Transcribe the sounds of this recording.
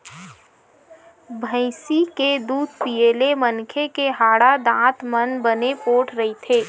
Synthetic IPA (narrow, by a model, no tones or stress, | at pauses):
bʱə̃ɪsiked̪uːd̪̚pieːlemənkʰekeɦaːɽad̪ãːt̪mənbənepoːʈʰɾɐit̪ʰeː